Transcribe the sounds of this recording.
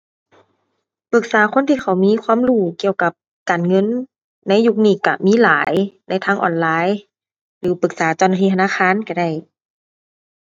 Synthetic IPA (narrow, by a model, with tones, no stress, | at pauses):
pɯ˧˩k̚saː˨˦xʰo˧˥˨nt̪ʰiː˧˩xʰa˧˩wmiː˧˥˨kʰwaː˧˥˨mluː˧˩ki˧˨əwka˧˦p̚ | kaː˨˩nŋɤ˧˥˨nː | a˧˥˨jːu˧˩k̚niː˧˩˨ka̰˧˩miː˧˥˨laː˨˦jna˧˥˨jt̪ʰaː˧˥ŋʔɔ̰ː˨˩nlaː˧˨j | lɯː˨˩˦pɯ˧˩k̚saː˩˦t͡ɕa˧˩wna˧t̪ʰiː˧˩a˧aː˧˥˨xʰaː˧˥˨nka˧˩da˧˩j